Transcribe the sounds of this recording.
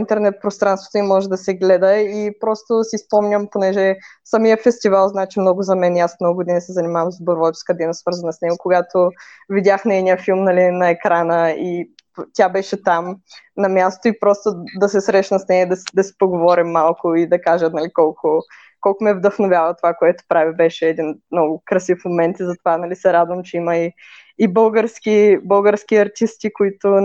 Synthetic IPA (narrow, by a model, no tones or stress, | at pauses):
int̪ɛɾnɛt̪̚pɾost̪ɾanst̪vot̪oimɔʒɛd̪ɐsɛɡlɛd̪əipɾɔst̪osispɔmnʲəmponɛʒɛ | sɐmijəfɛst̪ivalˠznat͡ʃɛmnɔɡʊzɐmɛnasmnɔɡʊɡʊd̪inisɛzɐnimavəmzboɾvɔt͡ʃskəd̪ɛnəsvɤɾzɐnɐsnɛɡokoɡat̪o | vidʲjaxnɛɛd̪nʲijəfilˠmnɐlʲinɐɛkɾanəi | t̪ʲabɛʃɛt̪amnɐmʲjast̪ʊipɾɔst̪ʊd̪ɐsɛsɾɛʃnɐsnɛjəd̪ɐsd̪ɐsi̥poɡovɔɾimːalˠkʊid̪ɐkaʒət̪nɐlikɔlˠkʊ | kɔlˠkʊmɛvd̪ɐxnovʲjavət̪ovakoɛt̪ʊ̥pɾavʲibɛʃɛːd̪inmnɔɡʊkɾɐsifmomɛnt̪izɐt̪ovanɐlisɛɾad̪vɐmt͡ʃɛiməiː | bɤlˠɡəɾskʲibɤlˠɡəɾsk̟iɐɾt̪ist̪ikoit̪ʊ